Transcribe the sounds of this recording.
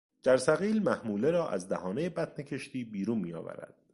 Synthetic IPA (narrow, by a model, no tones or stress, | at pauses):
d͡ʒæɾsæɣiːlmæhmuːle̞ɾɒːʔæ̰zd̪æhɒːne̞jebæt̪ʰne̞cʰe̞ʃt̪iːbiːɾuːnmiːjɒ̰ːvæ̰ɾæ̰d̪̥